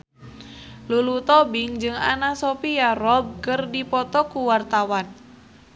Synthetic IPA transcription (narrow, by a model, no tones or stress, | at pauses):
lulut̪ɔbiŋd͡ʒɨŋa̰nasopiarɔb̚kərdipɔt̪ɔkuwart̪awan